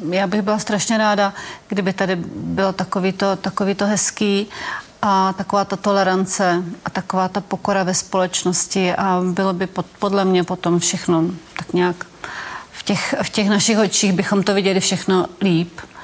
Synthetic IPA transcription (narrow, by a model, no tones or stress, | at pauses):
jaːbɪɣbɪlast̪ɾaʃɲɛɾaːdaɡ̥dɪbɪt̪adɪbɪlot̪akoviːt̪o̞t̪akoviːt̪o̞ɦɛskiːʔat̪ako̞vaːt̪at̪o̞lɛɾant͡sɛʔat̪akovaːt̪apo̞koɾavɛspolɛt͡ʃnoscɪʔabɪlobɪpopodlɛmɲɛpo̞t̪o̞mfʃɛxnot̪akɲaak | fcɛxfcɛxnaʃɪxot͡ʃiːɣbɪxo̞mt̪ovɪɟɛlɪfʃɛxno̞liːp